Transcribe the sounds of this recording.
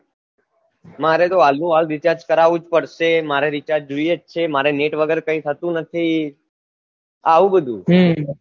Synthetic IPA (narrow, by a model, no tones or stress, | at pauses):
maɾet̪oalnũald̪ɪt͡ʃaɾd͡ʒkəɾaʋũd͡ʒpəɽʃemaɾeɾɪt͡ʃaɾd͡ʒuiet͡ʃt͡ʃʰemaɾeneʈʋəɡəɾkə̃ĩt̪ʰət̪ũnət̪ʰi | aʋũbəd̪ʱṵ̃ɦ